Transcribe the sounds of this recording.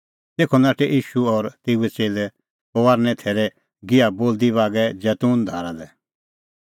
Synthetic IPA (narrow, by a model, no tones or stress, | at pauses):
t̪eːkʰɔnaːʈɛʔiːʃuɔɾt̪eːuɛt͡seːlɛ | ɔʋaːɾnɛ̃t̪ʰeːɾɛ | ɡɪaboːld̪ibaːɡɛd͡ʒɛːt̪uːnd̪ʱaːɾad̪ɛ